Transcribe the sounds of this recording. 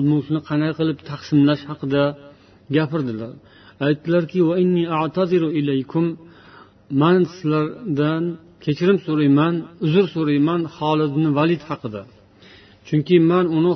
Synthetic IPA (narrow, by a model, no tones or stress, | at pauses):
lˠmʊŋʃnɪqʰɑnajqɨlˠɪpt̪ʰaqsɪmlaʃhɑqɨd̪a | ɡʲapɪɾd̪ɪlaɾ | ajt̪ːɪlaɾkʲɪwaɪnːiːaʕt̪ʰaðɨɾʊɪlejkʰʊmː | ansɪ̥zlaɾd̪an | kʲʰe̞t͡ʃʰɪɾɪmsoɾajmanʊzʊɾsoɾajmanhɒlˠɪt̪nɪvalˠɪt̪hɑqɨd̪a | t͡ʃʰʊŋkʲɪmanʊnɪ